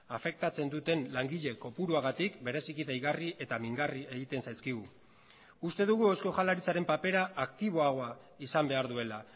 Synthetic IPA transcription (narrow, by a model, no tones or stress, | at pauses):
afe̞k̚t̪at͡se̞nd̪ut̪e̞nlaŋɡiʎe̞ko̞puɾuaɣ̞at̪ikbe̞ɾe̞sikit̪ajɣariʔe̞t̪amiŋɡarie̞ɣit̪e̞nsajskiɣ̞u | ust̪e̞ðuɣ̞uesko̞ʝalaɾit͡saɾe̞mpape̞ɾaːkt̪iβ̞o̞aɣo̞a | isambe̞aɾðue̞la